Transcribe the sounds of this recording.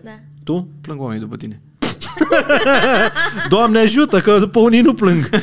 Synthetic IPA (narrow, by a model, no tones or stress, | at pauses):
t̪uplɐ̃ŋɡɔmẽj̃d̪upɐt̪inɛ | d̪ɔmnɛʒut̪ɐkɐpɐunĩnuplɨ̃ŋɡ